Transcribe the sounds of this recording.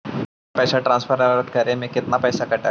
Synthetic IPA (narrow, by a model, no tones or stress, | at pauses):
pɛːsaʈɾãnsfʰəɾəɾɾt̪kəɾẽmẽkɪt̪napɛːsakɐʈa